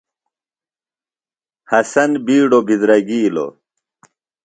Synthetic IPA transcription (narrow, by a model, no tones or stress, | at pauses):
hɐsɐnbiːɖobizɾɐɡiːlo̰